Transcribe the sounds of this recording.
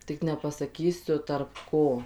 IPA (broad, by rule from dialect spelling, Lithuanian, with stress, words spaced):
ˈtʲɪk nʲɛpɐsɐˈkʲiːsʲʊ tɐrp ˈkoː